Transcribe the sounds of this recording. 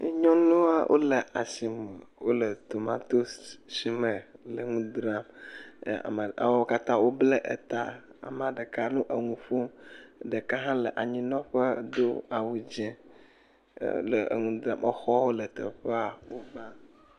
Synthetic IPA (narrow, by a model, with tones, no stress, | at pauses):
ɲɔ̃˦nõ˦a˦wʔo̰˦lə˨ʔa˨si˨mə˨wo˦lə˨t̪o˨mã˦t̪o˦ssi˨mə̃˨lə˨ŋũ˦d̪ɾa˦m˨ | a̰˨mə˨a̰˨wɔ˦wo˦ka˦t̪ã˦wo˦blə˦ʔə̰˨t̪a̰˨a̰˨m˨a˨ɖə˨ka˦nũ˦ʔə˨ŋũ˨ɸo˦mɖə˨ka˦ɦã˦lə˨ʔa˨ɲĩ˦nɔ̃˦ɸə˦d̪o˦a˨wu˨d͡ʒɛ̃˦ | lə̰˨ŋũ˦d̪ɾã˨mʔə˦xɔ˦wo˦lə˨t̪ə̰˨ɸə˦a˨wo˦ba˦